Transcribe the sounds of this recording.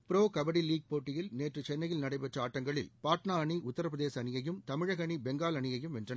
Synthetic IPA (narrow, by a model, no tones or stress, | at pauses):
pɪɾoːkɐbɐɽiliːɡ̚poːʈːɪjɪlneːʈrɯt͡ʃɛnːɐjɪlnɐɽɐɪpɛʈrɐaːʈːɐŋɡɐɭɪlpaːʈnaɐɳiʔʊt̪ːɐɾɐpɾɐðeːsɐːnɪjɐjɯmt̪ɐmɪɻɐɣɐɳibɛŋɡaːlɐnɪjɐjɯmɛndrɐnɐ